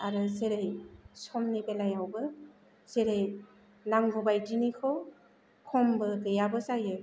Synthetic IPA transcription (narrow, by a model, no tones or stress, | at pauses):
aɾɯzeɾejsɔmnibelajawbɯ | z̥eɾej | naŋɡɔbajdinikʰɯw | kʰɔmbɯɡɯjabɯsajɯ